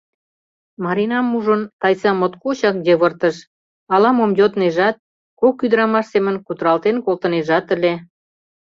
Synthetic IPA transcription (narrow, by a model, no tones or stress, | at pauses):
mɑɾinɑmːuʒənt̪ɑjt͡sɑmot̪kot͡ɕɑk̚d̪eβərt̪əʃ | ɑlɑmomjot̪neʒɑt̪̚ | kokːyd̪əɾɑmɑʃsemə̆nkut̪əɾɑlt̪enkolt̪əneʒɑt̪ə̆lʲe